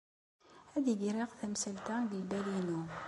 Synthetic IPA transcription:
æðiɡɾeʁθæmsəlt̪æɡəlbælinu

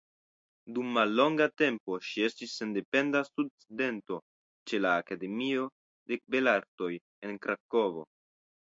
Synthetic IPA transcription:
dumːalːo̞ŋɡate̞mpo̞ʃie̞stisːe̞nde̞pe̞ndasud̚t͡side̞nto̞ | t͡ʃe̞laːkade̞mio̞ | de̞be̞laɾto̞j | e̞nkɾako̞vo̞̰

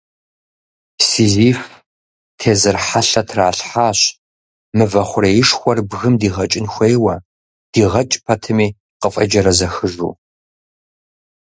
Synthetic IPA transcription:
siːziːf | tʰeːzɨrħaɬɐtʰraːɬħaːɕ | mɨvɐχʷʊɾɐjɪʂxʷɔrbɣɨmdiːʁɐt͡ʃʼɪnxʷejwɐ | d̥iːʁɐt͡ʃʼpʰɐtʰɨmiː | qəfʼɐ̰d͡ʒɐɾɐzɐxɨʒṵː

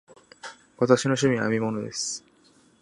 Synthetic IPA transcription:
βat̪aɕino̞ɕ̬ɨmʲĩa̰mʲimo̞no̞d̪e̞sɨ̥

